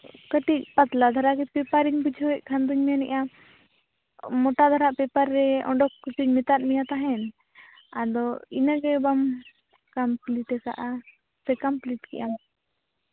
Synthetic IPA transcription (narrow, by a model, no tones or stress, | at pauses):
kəʈic̚pat̪lad̪ʱaɾaɡɛpɛpaɾiɲbud͡ʒʱɔwɛʔ̚kʰand̪uɲmɛnɛ̰ʔa | mɔʈad̪ʱaɾaʔpɛpaɾːɛɔ̰ɳɖɔkːusuɲmɛt̪at̪̚mijat̪aɦɛn | ad̪ɔinaɡɛbam | kampliʈɛka̰ʔa | sɛkampliʈkɛ̰ʔam